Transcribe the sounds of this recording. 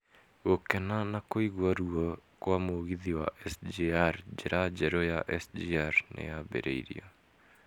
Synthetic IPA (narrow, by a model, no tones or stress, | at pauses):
ɣokɛnanakoiɣwaɾuɔkwamoɣiðiwa̰ʔɛsd͡ʒiaɾd͡ʒeɾad͡ʒɛɾɔjaʔɛsd͡ʒiaɾnʔḛjabɛ̰ɾḛḭɾḭɔ